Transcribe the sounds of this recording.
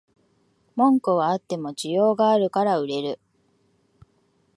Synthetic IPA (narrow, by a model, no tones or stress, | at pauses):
mõ̞ŋkoβaat̪ːe̞mo̞d͡ʑijo̞ːɡaːɾɯ̟kaɾaɯ̟ɾe̞ɾɯ̟